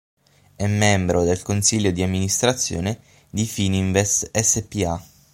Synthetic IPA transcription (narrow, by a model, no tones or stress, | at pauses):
ɛmːɛmbɾod̪elkonsiʎːod̪iamːinist̪ɾat̪sːjo̰ːne | d̪ifiniɱvɛsɛsepia